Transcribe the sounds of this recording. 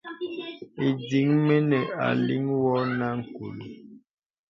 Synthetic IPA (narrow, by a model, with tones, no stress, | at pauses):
e˨di˨˦ŋme˦nɛ˨a̰˨li˦ŋwɔ˦na˦ŋ̩˨ku˨lu˨